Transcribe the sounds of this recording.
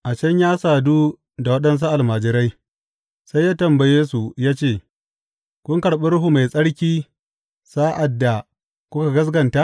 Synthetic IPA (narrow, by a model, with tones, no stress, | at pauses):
ʔa˨t͡ʃɐ˦ɲjaː˦saː˨duː˦ | da˨wɐ˦ɗɐ˦ns̬a˦ʔa˨lmaː˨d͡ʒɪ˦ɾa˦j | sa˦jːaː˦tɐ˨mba˨jeː˦su˨jaː˦t͡ʃeː˦˨ | kʷʊ˦ŋkɐ˨ɽɓɪ˦ɾʊ˦ɦu˦ma˨jsʼɐ˦ɽkʲiː˦ | saː˦ʔa˨dːa˨ | kʷʊ˦ka˨ɡɐ˦s̬ɡɐ˨nta˦ʔ